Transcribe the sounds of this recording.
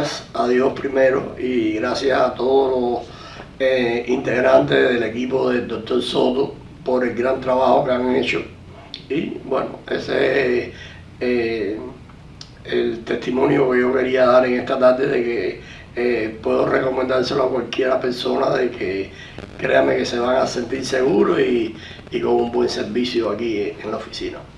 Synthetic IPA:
saðjo̞spɾimeɾo̰iɣɾasjasat̪o̞ðolo | eint̪e̞ɣɾant̪eðe̞le̞kipoðe̞d̪ok̚t̪o̞ɾso̞t̪o | po̞ɾe̞lɡɾant̪ɾaβaho̞keaŋet͡ʃo | ibwe̞̰no̰e̞̰sees | e | elt̪e̞ht̪imõ̞njo̞ke̞ʝo̞ke̞ɾiaðaɾe̞ŋe̞ht̪at̪aɾd̪e̞ðe̞ke̞ | epwe̞ðo̞reko̞mẽnd̪aɾseloakwalkje̞ɾape̞ɾso̞naðekʰe | kɾe̞̰ame̞ke̞se̞β̞aŋase̞nt̪iɾse̞ɣuɾoiː | ko̞ŋumbwe̞ŋse̞ɾβisjoakieŋlaofi̥sina̰

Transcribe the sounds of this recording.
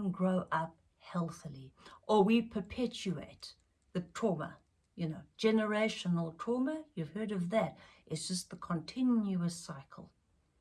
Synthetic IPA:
nɡɹoʊʔʌp̚ | hɛlˠθiliʔə˞wipʰə˞pʰɛt͡ʃʉḛɪt̪̚ | ðɨtʰɹ̥ɔmə̰ | jɨnoʊ̥d͡ʒɛnə˞eɪʃənl̩ˠtʰɹ̥ɔməjʉv̥hɜ˞ɾʌvðætʔɨtsd̥ʒ̥ʌst̪̚ðəkʰə̃ntʰɪ̃njʉəsaɪkʰəl̩ˠ

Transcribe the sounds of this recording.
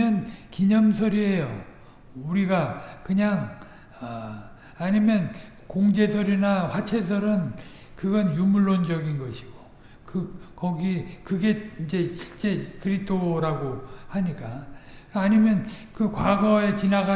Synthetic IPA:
ʌnkiɲʌmsʰʌɾie̞jo | uɾiɡakɯɲaŋ | ʌ | aɲimjʌn | koŋd͡ʑe̞sʰʌɾinaɸwat͡ɕʰe̞s̬ʰʌɾɯn | kɯɡʌnjumuɭːond͡ʑʌɡinɡʌɕʰi̥ɡ̥o̥ | kɯkʌɡikɯɡe̞ind͡ʑe̞ɕʰi̥ɭt͡ɕ͈e̞kɯɾitʰoɾaɡohaɲik͈aaɲimjʌnkɯkwaɡʌe̞t͡ɕinaɡa

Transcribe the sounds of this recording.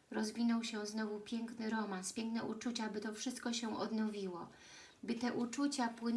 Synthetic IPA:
ɾɔzvʲinɔwɕɛznɔvupʲjɛŋknɘɾɔmanspʲjɛŋknɛʔut͡ʂut͡ɕabɘt̪ɔfʂɘst̪̚kɔɕɛ̃ʔɔd̪nɔvʲiwɔ | bɘt̪ɛʔut͡ʂut͡ɕapwɘn

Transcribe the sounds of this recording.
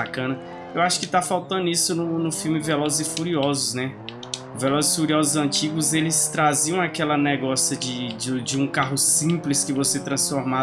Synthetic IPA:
akɐ̃nɐ | ewaʃʊ̥kɪt̪afawt̪ɐ̃d̪ʊisʊnʊnʊfiwmɪvelɔzɪzɪfuɾiɔzʊsnɛ | velɔzɪfuɾiɔzʊzɐ̃t͡ʃiɡʊzelɪst̪ɾaziɐ̃w̃akɛlɐnɛɡɔsjɐd͡ʒɪd͡ʒd͡ʒɪũkaɦʊsĩplɪskɪvoset̪ɾɐ̃sfoɾma

